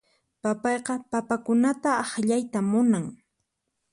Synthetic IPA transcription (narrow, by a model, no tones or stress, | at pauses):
papɑjqɑpapakʊnat̪aɑχʎajt̪amʊnaŋ